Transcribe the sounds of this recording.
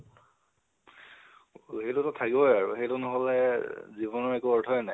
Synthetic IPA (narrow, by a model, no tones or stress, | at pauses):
hejtʊtɔtʰakibɔjaɹṵxejtunʊɦɔlɛzibɔnɔɹɛkuɔɹtʰɔɛnaj